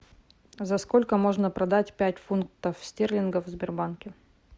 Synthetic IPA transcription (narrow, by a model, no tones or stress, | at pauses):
zɐsko̞lʲkəmo̞ʐnəpɾɐd̪atʲpʲætʲfunk̚t̪əfsʲtʲerlʲɪnɡəvzʲbʲɪrbankʲɪ